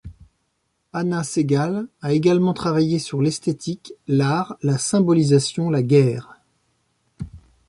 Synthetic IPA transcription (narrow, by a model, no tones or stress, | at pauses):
anaseɡalaeɡalmɑ̃t̪χavajesyʁlɛst̪et̪iklaʁlasɛ̃bɔlizasjɔ̃laɡʲɛːʁ